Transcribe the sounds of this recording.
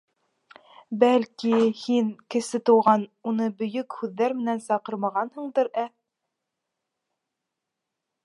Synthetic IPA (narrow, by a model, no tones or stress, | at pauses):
bælkihinkɘ̆sɘt̪ŭwʁɑnunɤbɵ̆jɵkhʉðːæɾmɘ̆nænsɑqɤɾmɑʁɑnhɤ̆ɴd̪ɤɾæ